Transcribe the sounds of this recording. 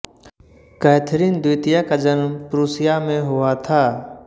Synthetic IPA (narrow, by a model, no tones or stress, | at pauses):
kɛːt̪ʰɾind̪uːt̪ijakad͡ʒənmpɾuːsɪjamẽɦʊat̪ʰaː